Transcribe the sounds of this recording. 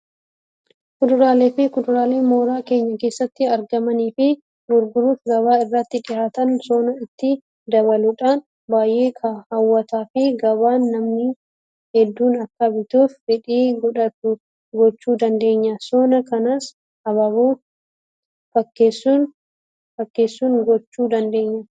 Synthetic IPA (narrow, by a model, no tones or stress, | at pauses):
kʊd̪ʊɾaːleːfɪkʊd̪ʊɾaːle̞ːmo̞ːɾaːke̞ːɲːɐke̞ːsːɐt̪ːɪɐɾɡɐmɐniːfɪ | ɡʊɾɡʊɾuːfɡɐβaːɪrːɐt̪ːɪᶑɪhaːt̪ɐnsoːnɐɪt̪ːɪ | d̪ɐβɐlʊᶑaːn | baːjʔe̞ːkʰɐhɐwːɐt̪aːfɪɡɐβaːnːɐmnɪ | hɛd̪ːuːnɐkːɐbɪt̪uːffɛᶑiːɡɔᶑɐt̪ʊ | ɡɔt͡ʃːuːd̪ɐnd̪e̞ːɲːɐsoːnɐkɐnaːs | ɐβɐβuː | fɐkːeːsːuːn | fɐkːe̞ːsːuːnɡɔt͡ʃːuːd̪ɐnd̪e̞ːɲːɐ